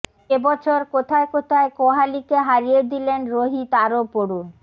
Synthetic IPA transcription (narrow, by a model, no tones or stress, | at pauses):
ebɔt͡ɕʰoɾkot̪ʰaekot̪ʰaekoɦalikeɦaɾied̪ilenɾoɦit̪aɾopoɾun